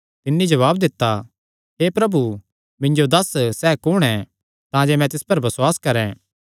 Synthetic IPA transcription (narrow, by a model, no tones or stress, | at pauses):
t̪ɪnːid͡ʒɐβaːbd̪ɪt̪ːa | ɦeːpɾɐbu | mɪ̃ɲd͡ʒod̪ɐssɛːkʊɽ̃ɛ̃ | t̪ãːd͡ʒemɛ̃t̪ɪspɐɾbɐswaːskɐɾɛ̃ː